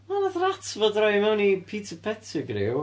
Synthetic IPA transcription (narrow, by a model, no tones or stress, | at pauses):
manaðratʰvɔdrɔjmɛwnipʰiːtʰəpʰɛtʰɪɡrɪ̰w